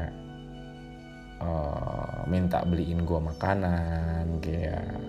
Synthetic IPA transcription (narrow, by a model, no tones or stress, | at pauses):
ɔ | mint̪a̰ʔbəliʔɪnɡuamakananɡeja̰